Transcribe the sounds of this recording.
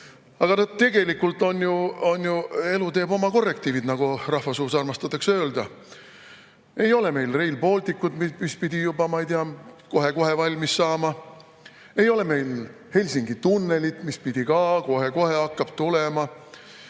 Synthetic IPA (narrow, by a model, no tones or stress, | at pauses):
ɑɡ̥ɑnɑd̪̥̚t̪e̞ɡ̥e̞likːˑult̪ːˑo̞njuo̞njue̞lut̪e̞ːb̥o̞mɑko̞rːe̞k̚t̪iːvid̪nɑɡ̥urɑhvɑsuːsɑrmɑst̪ɑt̪ːˑɑksøːld̪̥ɑ | e̞jo̞le̞me̞jlre̞jlpo̞ːlʲt̪ikːˑud̪mimispid̪̥ʲijubɑmɑjd̪eɑko̞ɦe̞ko̞ɦe̞vɑlʲmisːɑːmɑ | e̞jo̞le̞me̞jl | he̞lʲsiŋɡit̪unːe̞lʲit̪ˑmispid̪̥ʲikɑko̞ɦe̞ko̞he̞ɑkːɑb̥t̪ulemɑ